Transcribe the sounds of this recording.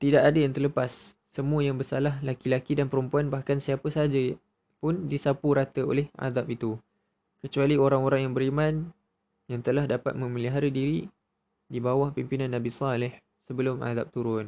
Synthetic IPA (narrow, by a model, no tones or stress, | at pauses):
t̪idaʔadəjaŋt̪ərləpasː | əmũəjaŋbəsalahlakilakidanpəɾumpuanbahkansiapəsad͡ʒa | pʊndisapuɾat̪əo̰lɛhʔa̰ðap̚it̪u | kət͡ʃualioɾaŋoɾaŋjaŋbəɾimãn | jaŋt̪əlahdapa̰t̪̚mə̃məliɦaɾədiɾi | dibawahpimpinãnːabisɑlɪh | səbəlʊma̰ða̰p̚t̪uɾʊn